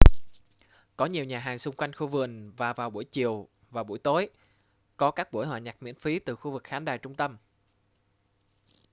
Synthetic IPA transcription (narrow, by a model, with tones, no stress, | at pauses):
kɔ˨˦ɲi˨˩əwɲaː˨˩ɦaː˨˩ŋsʊ˧ŋ͡mkwa˧jŋ̟xu˧vɨ˨˩əŋvaː˨˩vaː˨˩wɓu˧˩əjt͡ɕi˨˩əw | vaː˨˩ɓu˧˩əjt̪o˨˦j | kɔ˨˦kaː˦˥k̚ɓu˧˩əjɦwaː˨˩ɲa˨˩k̚mḭ˧˥ənfi˨˦t̪ɨ˨˩xu˧vɨ˨˩k̚xaː˨˦nɗaː˨˩jt͡ɕʊ˧ŋ͡mt̪ə˧m